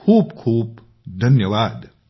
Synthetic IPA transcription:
kʰuːbkʰuːb | d̪ʱɐnjəʋaːd̪

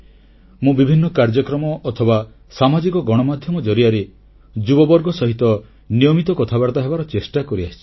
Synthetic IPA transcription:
mũbibʱinːɔkaɾd͡ʒɔkɾɔmɔʔːt̪ʰɔba | samad͡ʒikɔɡɔɽ̃ɔmad̪ʱjɔmɔd͡ʒɔɾiaɾe | d͡ʒubɔbɔɾɡɔsɔɦit̪ɔ | nijɔmit̪ɔkɔt̪ʰabaɾt̪aɦebaɾɔt͡ʃesʈakɔɾiasʰi̥

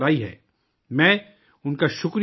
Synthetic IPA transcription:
ɾaːiɦɛ̰ː | mɛ̃ː | ʊnkaʃʊkɾ

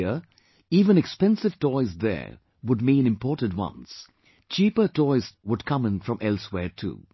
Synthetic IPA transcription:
ə | iːvə̃nɨkspɛ̃nsɨvtɔɪzðɛ̰ɹ | wʊd̚mĩːnɪ̃mpɔɹtə̃dwʌ̰̃ns | t͡ʃiːpə˞tɔɪz̥wʊd̚kʰʌ̃mə̃nfɹʌ̃mʔɛlˠswɛːɹtʰṵː

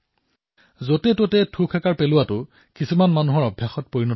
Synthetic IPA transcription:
zotɛtotɛtʰukʰɛkaɹpelʊwatʊ | kisumanmanuɦɔɹɔbʱjaxɔt̚poɹinɔ

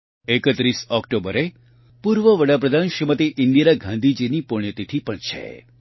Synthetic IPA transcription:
ekət̪ɾisɔkʈobəɾe | puɾʋəʋəɽapɾəd̪ʱanʃɾimət̪iʔɪnd̪iɾaɡʱãnd̪ʱid͡ʒinipoɳ̃jət̪it̪ʰipəɳt͡ʃʰḛ

